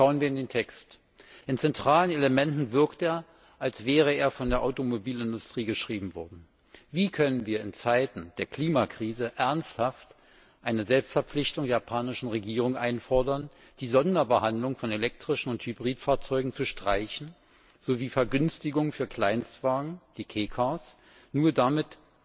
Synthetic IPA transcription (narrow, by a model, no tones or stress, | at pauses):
ʃaʊənviːɐɪndeːntʰɛkst | ʔɪnt͡sɛntʁ̥aːləneləmɛntn̩vɪɐkteːɐ | ʔalsv̥ɛːʁəeːɐfɔndeːɐʔaʊtomobiːlɪndʊstʁ̥iːɡəʃʁ̥iːbm̩vɔɐdn̩ | viːkʰœnənviːɐɪnt͡saɪtn̩d̥eːɐkl̥iːmakʁ̥iːzəʔɛɐnsthaft | ʔaɪnəzɛlpstfɛɐp͡flɪçtʊŋdeːɐpʰaːnɪʃn̩ʁeɡiːʁ̞ʊŋʔaɪnfɔɐdɐn | d̥iːzɔndɐbəhandlʊŋfɔnelɛk̚tʁ̥ɪʃn̩ʊnthybʁiːtfaːɐt͡sɔʏɡŋ̩t͡suʃtʁ̥aɪçn̩ | z̥oviːfɛɐɡʏnstɪɡʊŋfyːɐkʰl̥aɪnstv̥aːɡŋ̩d̥iːkʰeːkʰas | nuːɐdamɪt